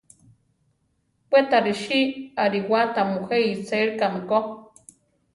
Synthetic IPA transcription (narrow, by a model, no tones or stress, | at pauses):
pʷet̪aɾiʃiaɾiwat̪amuxeit͡seɾkamiko